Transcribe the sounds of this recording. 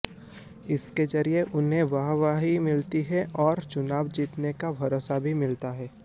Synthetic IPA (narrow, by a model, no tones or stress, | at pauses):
ɪsked͡ʒɐɾieʔʊnɦẽʋaɦʋaːɦimɪlt̪iɦɛʔɔːɾt͡ʃʊnaːʋd͡ʒiːt̪nekabʱɐɾoːsabʱimɪlt̪aɦɛː